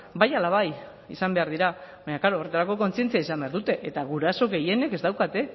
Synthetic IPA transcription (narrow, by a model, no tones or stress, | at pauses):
bajalaβ̞aj | ḭsambe̞aɾðiɾaβaɲaklaɾo̞ːre̞t̪aɾako̞ko̞nt͡sient͡siaisambe̞aɾðut̪e̞ʔet̪aɣuɾaso̞ɣe̞je̞ne̞ke̞zd̪awkat̪e̞